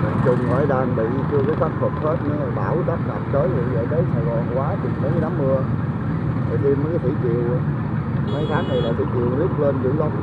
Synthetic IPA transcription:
ə˨˦t͡ɕʊ˨˩ŋ͡mmaː˨˧˩jɗaː˨˩nɓḭ˧˨˧t͡ɕɨ˧əkə˨˦jxa˦˥k̚fʰə˨˩p̚he˦˥t̚ɲɨ˧ŋlaː˨˩ɓaː˧˩wɗa˦˥t̚ŋa̰˨˩p̚t͡ɕəː˨˦jvi˨˩zə̰ː˧˨˩jɗə˨˦jsaː˨˩jɣɔ˨˩nkwaː˨˦t͡ɕi˨˩mmə˨˦naː˨˦mːɨ˧ə | ə̰ː˨˩ʔi˧məː˧˨˦jkaː˨˦jt̪ʰḭ˧˩t͡ɕḭ˨˩əw | maː˨˦jt̪ʰaː˨˦˥ŋna˨˩jlaː˨˩t̪ʰḭ˧˩˦t͡ɕḭ˨˩əwzi˦˥ək̚lə˧nzɨ̰˧˥˦lə˨˦ŋ͡m̚

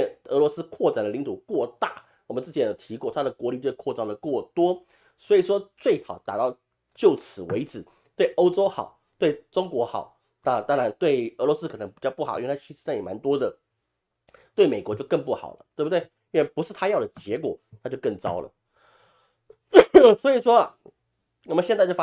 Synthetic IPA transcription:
ɛ˥˧˩nə˧˥lwɔ˧˥sɹ̩˥kʰwɔ˥˩ʈ͡ʂa˨˩nd̪ə˩li˧˥ŋt̪ʰu˨˩kwɔ˥˧t̪a˥˩ | wɔ˨˩mə˦nt͡s̩˥˩t͡ɕʰjjo˨˩ʊt̪ʰi˧˥kwɔ˥˩t̪ʰa˥d̪ə˨kwɔ˧˥li˨˩t͡ɕjo˥˧˩ʂkʰɔ˥˧ʈ͡ʂɑ˥˩ŋd̪ə˩kwɔ˥˩t̪wɔ˥ | swɔ˧˥i˨˩ʂwɔ˥t͡swe˥˩ɪxɑ˨˩˦ʊt̪a̰˨˩t̪ɑ˥˧ʊ | t͡ɕjo˥˩ʊt͡sʰɹ̩˨˩wḛ˧˥ɪʈ͡ʂɹ̩˨˩˦ | t̪we˥˩ɪʔo˥ʊʈ͡ʂo˥ʊxɑ˨˩˦ʊ | t̪we˥˩ɪʈ͡ʂʊ˥ŋkwɔ˧˥xɑ̰˨˩˦ʊ | na˥˧˨t̪ɑ˥ŋɻa˧˥nt̪we˥˩ɪə˧˥lwɔ˧˥sɹ̩˥kʰɤ˨˩n˧˥ŋpi˨˩t͡ɕjɑ˥˧ʊpu˥˩xʔi˥wʰa˥t͡ɕʰi˧˥ʂ̩˧a˥˩jɛ˨˩ma˧˥nt̪wɔ˥d̪ə˨ | t̪we˥˩ɪme˨˩ɪkwɔ˧˥t͡ɕjo˥˧ʊkə˥˧ŋpu˥˩xɑ̰˨˩ʊlə˦t̪we˥˩bt̪we˥˩ɪi˥nwe˥˩ɪpu˧˥ʂɻ̩˥˩t̪ʰa˥jɑ˥˩ʊd̪ə˩t͡ɕjɛ˧˥kwɔ̰˨˩˦t̪ʰa˥t͡ɕjo˥˧ʊkə˥˩ŋt͡sɑ̰˥ʊlə̰˨ | swɔ˧˥i˨˩ʂwɔ˥˨ | wɔ˨˩mə˦nɕjɛ˥˧nt͡sa˥˧t͡ɕo˥˩˥

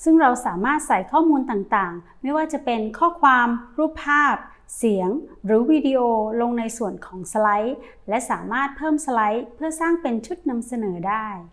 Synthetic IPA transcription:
sɯ˥˩ŋɾa˧wsaː˩˦maː˥˩t̪̚sa˨˩jkʰɔː˥˩muː˧nt̪aː˨˩ŋt̪aː˨˩ŋ | ma˥˩jwaː˥˩t͡ɕa˨˩pe˧nkʰɔː˥˩kʰwaː˧mɾuː˥˩pʰːaː˥˩p̚ | si˩˦əŋɾɯː˩˦wiː˧di˧ʔoː˧lo˧ŋna˧jsu˨˩ənkʰɔː˩˦ŋsa˧la˦˥j | lɛ˦˥ʔsaː˩˦maː˥˩t̪̚pʰɤː˥˩msa˧la˦˥jpʰɯ˥˩ɐsaː˥˩ŋpe˧nt͡ɕʰu˦˥t̪̚na˧msa˧nɤː˩˦daː˥˩j

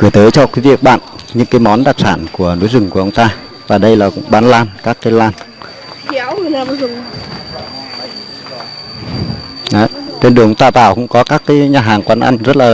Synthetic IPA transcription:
kɨ˧˩ət̪əː˨˦jt͡ɕɔ˧ki˨˦vi˨˩ək̚ɓa̰ː˧˨nɲɨ̰˧˥ŋkaː˨˦jmɔ˨˦nɗaː˨˩k̚saː˧˩nku˧˩əno̰˨˧˥jzʊ˨˩ŋku˧˩əʔə˧ŋ͡mt̪aː˧ | vaː˨˩ɗə˧jlaː˨˩kʊ̰˧˥ŋ͡mɓaː˨˦nlaː˧nkaː˦˥k̚t̪e˧˦˧nlaː˧n | kɛ˧˦wla˨˩˨zʊ˨˩ŋ | ʔaː˨˦t̪wnɗɨ˨˩əŋʔə˧ŋ͡mt̪aː˧t̪a̰ː˧˨wkʊ̰˧˥ŋ͡mkɔ˨˦kaː˦˥kːaː˨˦jɲaː˨˩ɦaː˨˩ŋkwaː˨˧nʔa̰˧jŋzə˦˥t̚laː˨˩

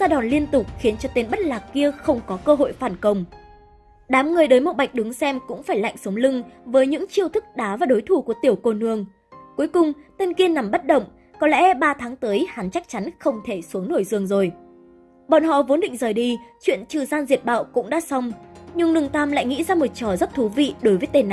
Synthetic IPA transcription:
zaː˧ɗɔ˨˩nli˧ənt̪ʊ˨˩k͡p̚xi˨˦ənt͡ɕɔ˧t̪e˧nɓə˦˥t̚laː˨˩kkːi˧əxə˧wŋ͡mkɔ˨˦kəː˧ɦo̰˧˨jfaː˧˩nkə˧˩wŋ͡m | ɗaː˨˦mŋɨ˨˩əjɗəː˨˦jmo˨˩t̚ɓa˨˩jk̚ɗɨ˨˦ŋsɛ˧mkʊ̰˧˥ŋ͡mfaː˧˩jla̰˧˨jŋ̟sə˨˦wŋ͡mlɨ˧ŋvəː˨˦jɲɨ̰˧˥ŋt͡ɕi˧əwt̪ʰɨ˦˥k̚ɗaː˨˦vaː˨˩ɗo˨˦jt̪ʰu˧˩ku˧˩ət̪i˨˩əwko˧˩nɨ˧˩əŋ | ku˨˦jkʊ˨˩ŋ͡mt̪e˧nki˧əna˨˩mɓə˦˥t̚ɗə̰˧˨wŋ͡m | kɔ˨˦lɛ̰˧˥ɓaː˧t̪ʰaː˨˦ŋt̪əː˨˦jha˨˦nt͡ɕa˦˥k̚t͡ɕa˨˦nxə˧wŋ͡mt̪ʰe˧˩su˨˦əŋno˧˩jzɨ˨˩əŋzo˨˩j | ɓɔ̰˧˨nɦɔ̰˧˨vo˨˦nɗḭ̈˧˨ŋ̟zəː˨˩jɗi˧t͡ɕwḭ˧˨ənt͡ɕɨ˧˨˩zaː˧nzi˨˩ət̚ɓa̰ː˧˨wkʊ̰˧˥ŋ͡mɗa̰ː˧˥sa˧wŋ͡mɲɨ˧ŋnɨ˨˩əŋt̪aː˧mla̰ː˧˨jŋḭ˧˥zaː˧mo˨˩t̚t͡ɕɔ˧˩zə˦˥t̚t̪ʰu˨˦vḭ˧˨ɗo˨˦jvəː˨˦t̪e˧˩n˧˨

